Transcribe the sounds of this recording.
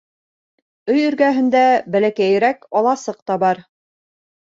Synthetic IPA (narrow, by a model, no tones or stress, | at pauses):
ɵjɵ̆ɾɡæɦɘ̆nd̪æbælækæj̆ɾækɑlˠɑsɤq̚t̪ɑbɑɾ